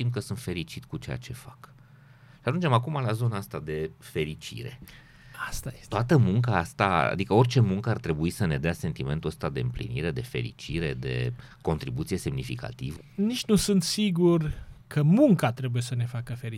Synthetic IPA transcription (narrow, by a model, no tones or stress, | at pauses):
t̪imkəsɨnt̪fe̞ɾit͡ʃit̪kut͡ʃeja̰t͡ʃe̞fak | ʃiaʒund͡ʒe̞makumalazo̞naast̪ad̪e̞fe̞ɾit͡ʃḭɾe̞̰ | ast̪at̪oat̪əmuŋkaast̪aa̰d̪ikəo̞rʲt͡ʃe̞muŋkəart̪ɾe̞buisəne̞d̪ease̞nt̪ime̞nt̪uəst̪ad̪e̞ɨmplḭnḭɾe̞d̪e̞fe̞̰ɾḭt͡ʃiɾe̞d̪e̞̰ko̞nt̪ɾibut̪sije̞se̞mnifika̰t̪ivənit͡ʃnusɨnt̪siɡurkʰəmuŋkat̪ɾe̞buje̞səne̞fakəfe̞ɾi